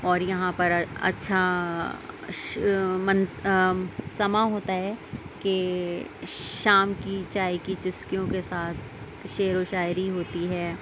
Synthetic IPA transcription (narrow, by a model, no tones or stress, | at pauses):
ɔːɾjɐɦãpɐɾɐ̰tːʃʰa | mɐ̃n | sɐmaɦoːt̪aɦɛːke | ʃaːmkit͡ʃaːjkit͡ʃʊskijõkesaːt̪̚ʰ | ʃeːɾoʃaːjɾiɦoːt̪iɦɛː